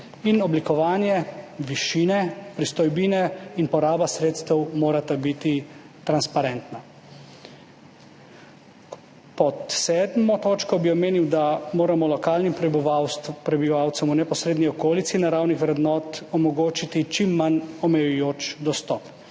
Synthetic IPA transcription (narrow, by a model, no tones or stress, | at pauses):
inɔblikɔʋaːnjɛʋiʃiːnɛpɾist̪ɔjbiːnɛinpɔɾaːbasɾeːt̪st̪ɛwmoːɾat̪abit̪i | t̪ɾanspaɾɛnt̪na | pɔt̪sɛːd̪mɔt̪oːt͡ʃkɔbiɔmeːniwd̪amoːɾamɔlɔkaːlnim | pɾɛbiʋaːwt̪sɛmunɛpɔsɾeːd̪niɔkoːlit̪sinaɾaːwnixʋɾɛd̪nɔːt̪ɔmɔɡoːt͡ʃit̪it͡ʃimːanɔmɛjujoːt͡ʃd̪ɔst̪ɔp